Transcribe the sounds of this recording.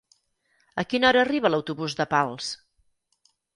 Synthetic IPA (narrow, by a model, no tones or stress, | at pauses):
əkinɔɾəːriβ̞ələwt̪uβuzðəpalˠs